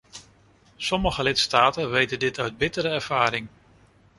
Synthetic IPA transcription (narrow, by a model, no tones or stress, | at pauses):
sɔməχəlɪtstaːtənʋejtəndɪtœɥd̚bɪtəɾəɛɹv̥aːɾɪŋ